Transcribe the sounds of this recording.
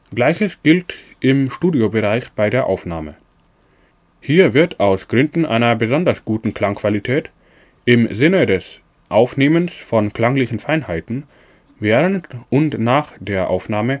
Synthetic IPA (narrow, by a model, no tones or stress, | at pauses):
ɡ̥laɪçəsɡ̥ɪlt | ʔɪmʃtuːdjobəʁaɪçb̥aɪdeːɐʔaʊfna̰ːmə̰ | hiːɐvɪɐtʰaʊsɡ̥ʁʏndn̩ʔa̰ɪnɐbəzɔndɐsɡ̥uːtn̩kl̥aŋkv̥alitʰɛːt | ʔɪmzɪnədɛs | ʔaʊfneːmənsfɔnkl̥aŋlɪçn̩faɪnhaɪtn̩ | veːʁəntʊntnaːχd̥eːɐʔa̰ʊfnaːmə